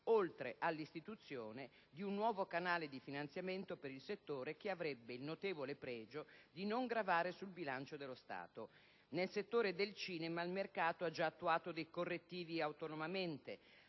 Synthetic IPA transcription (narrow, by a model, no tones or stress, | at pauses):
olt̪ɾeʔalːist̪it̪ut̪sːjoːne | d̪iunːwɔːvokanaːled̪ifinant̪sjament̪opeɾilset̪ːoːɾek̟eavɾɛbːeilnot̪eːvolepɾɛːd͡ʒod̪inoŋɡɾavaːɾesulbilant͡ʃod̪elːost̪a̰ːt̪o | nelset̪ːoːɾed̪elt͡ʃiːnemailmerkaːt̪oad͡ʒaːt̪ːuaːt̪od̪ejkorːet̪ːiːviawt̪onomament̪e